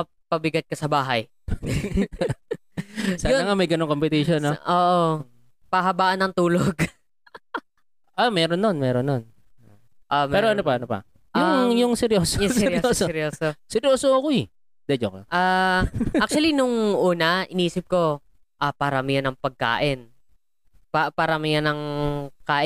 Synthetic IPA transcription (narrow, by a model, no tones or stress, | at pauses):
ɐ | pɐbɪɡɐt̪̚kɐsɐbaːɦɐj | saɡ̪ɐŋamɐjɡɐnoŋkompɪt̪iʃonːoʔoːʔo | pɐɦɐbaːʔɐnɐŋt̪uːloɡ | ʔamɛɾonːonmɛːɾonːon | ʔompɛːɾoɐnopɐɐnopɐ̰ | ʔjʊŋjʊŋsɛɾjoːsoɛsɛɾoːsoɾjoːsosɛɾjoːsoɐko | d̪̥ɛd͡ʒokoʔa | ak̚t͡ʃʊwɐlinʊŋʔuːnɐʔɪniːsɪp̚ko̞ | ʔɐpaːɾɐmɪjanɐŋpɐɡ̚ka̰ːʔɪn | papaːɾɐmɪjanɐŋkaːʔ